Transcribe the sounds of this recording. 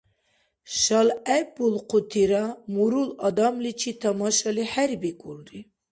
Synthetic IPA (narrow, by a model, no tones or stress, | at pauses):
ʃɑlæbulqʰut̪ʰiɾɑmuɾulɑd̪ɑmlit͡ʃʰit̪ʰɑmɑʃɑliħæɾbikʼulɾi